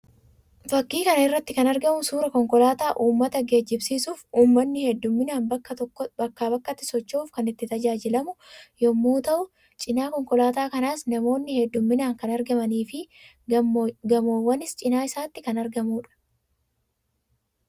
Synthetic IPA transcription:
bɐkːiːkɐnɐɪrːɐt̪ːɪkɐnɐɾɡɐmʊsuːɾɐkɔŋkɔlaːt̪aːʔuːmːɐt̪ɐɡe̞ːd͡ʒːɪbsiːsuːfuːmːɐnːɪhɛd̪ːʊmːɪnaːnbɐkːɐt̪ɔkːɔbɐkːaːbɐkːɐt̪ːɪ̥sɔt͡ʃːuːfkɐnɪt̪ːɪt̪ɐd͡ʒaːd͡ʒɪlɐmʊjɔmːuːt̪ɐʔʊ | t͡ʃʼɪnaːkɔŋkɔlaːt̪aːkɐnaːsnɐmo̞ːnːɪhɛd̪ːʊmːɪnaːŋkɐnɐɾɡɐmɐniːfɪ | ɡɐmoːwːɐnɪst͡ʃʼɪnaːɪsaːt̪ːɪkɐnɐɾɡɐmuːᶑɐ̥

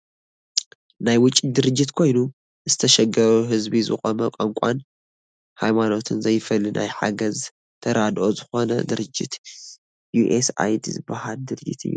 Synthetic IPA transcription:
najwʊt͡ʃʼːid̪ɨɾɨd͡ʒːɪt̪kʰo̞jnu | zɨt̪ʰɐʃɛɡɐɾuɦɨzbizɨ̰xʼɐmɐkʼɐŋkʷʼan | hajmano̞t̪ʰɨnzɐjfɐlːɨnʔa̰jħa̰ɡɐz | t̪ʰɐɾad̪ʔozɨxo̞nɐ̰d̪ɨɾɨd͡ʒːɪt̪ | juʔesa̰jd̪izɨbahald̪ɨɾɨd͡ʒːɨt̪ʰɨ̰jːu

